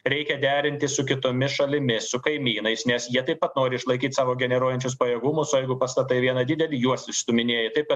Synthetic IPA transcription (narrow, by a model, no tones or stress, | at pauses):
ɾʲɛɪkʲɛd̪ʲæːɾʲɪnʲt̪ʲɪssʊkʲɪt̪oːmʲɪsʃɐlʲɪmʲɪsʊkɐɪmʲiːnɐɪsnʲɛsjiɛt̪ɐɪpɐt̪noːɾʲɪɪʃlˠɐɪkʲiːt̪ʲsɑːʋoːɡʲɛnʲɛɾuɔjɛnʲt͡ʃʲʊspɐjɛɡʊmʊsoːjɛɪɡʊpɐst̪ɐt̪ɐɪʋʲiɛnɐd̪ʲɪd̪ʲɛlʲiːjuɔsɪsʲt̪ʊmʲɪnʲeɛjɪt̪ɐɪpkɐt̪